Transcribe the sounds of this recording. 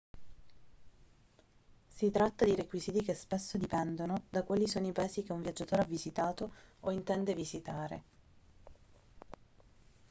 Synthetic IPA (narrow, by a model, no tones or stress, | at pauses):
sit̪ɾat̪ːad̪iɾekwiziːt̪ikespesːod̪ipɛnd̪onod̪akwaːlisoːnoipaeːzik̟euɱvjad͡ʒːat̪oːɾeavizit̪aːt̪ooint̪ɛnd̪evizit̪aːɾḛ